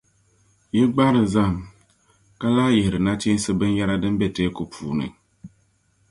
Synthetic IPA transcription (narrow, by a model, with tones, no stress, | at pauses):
ji˦ɡ͡ba˦ɾɨ˨za˦˨ŋ | ka˦laː˦jɛ˨hɪ˨ɾɨ˨na˦t͡ʃi˦sɨ˦bɨ˦n˦ja˦ɾa˦dɨ˦m˦bɛ˦teː˦ku˨pʰuː˨nɨ̰˨ŋ